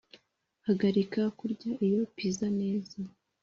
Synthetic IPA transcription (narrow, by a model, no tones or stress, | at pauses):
haɡaɾikakuɾɟaʔijo̞pizane̞ːza